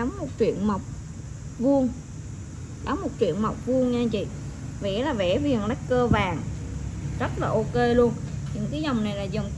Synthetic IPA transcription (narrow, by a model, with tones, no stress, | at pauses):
ɗa˨˦mmo˨˩t̚t͡ɕḭ˧˨ənma˨˩wk͡p̚ | vu˧əŋ | ɗa˨˦wmːo˨˩t̚t͡ɕḭ˧˨ənma˨˩wk͡p̚vu˧əŋɲa˧t͡ɕḭ˧˨vḛ˧˩˥laː˨˩ve˧˩vi˨˩ənla˨˦˥k̚kəː˧vaː˨˩ŋ | zə˦˥t̚laː˨˩ʔo˧ke˧lu˧ənɲɨ̰˧˥ŋkaː˨˦jzɔ˨˩wŋ͡mna˨˩jlaː˨˩zə˨˩ŋ͡m